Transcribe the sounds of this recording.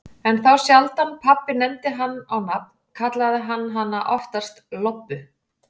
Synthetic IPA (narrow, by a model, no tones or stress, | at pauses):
ɛnθawsjalt̪anpʰapːɪnɛmt̪ɪɦanːawnap̚nkʰat̪laðɪɦanːɦanːaʔɔft̪ḁst̪lɔpːʏ